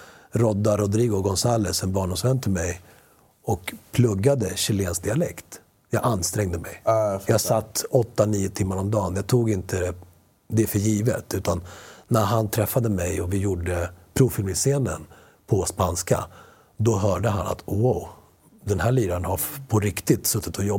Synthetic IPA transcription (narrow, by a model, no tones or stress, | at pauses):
ɾɔd̪ːaɾʊd̪ɾiːɡʊɡɔnsaːləsɛnbɑːɳʊmsvɛnt̪ʰəmɛj | ɔkpʰlɵɡːad̪əɕɪleːnsk̚d̪ɪalɛkt̪ | jɑːɡanːst̪ɾɛŋd̪əmɛjjɑːɡsat̪ːɔt̪ːaniːʊt̪ʰɪmːaɾɔmd̪ɑːnjɑːɡ̚t̪ʰuːɡɪnt̪ə | d̪ɛfœɾjiːvə̰t̪ʉ̟ːt̪anːæɾɦant̪ʰɾɛfːad̪əmɛjɔvɪjuɖəpʰɾʊfɪlmɪseːnə̰n | pʰɔspanska̰ | d̪ɔɦœːɖəɦa̰na̰t̪ːwaʊ | d̪ɛnɦæːɭiːd̪aənhaɾpʰɔɾɪkt̪ɪt̪sɵt̪ːɪt̪ʰɔjɔb